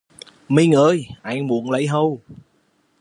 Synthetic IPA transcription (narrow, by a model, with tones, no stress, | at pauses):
mi˧ŋʔəː˧jʔa˨˧˩jŋmu˨˦ənlə̰˧˨˦jɦə˧w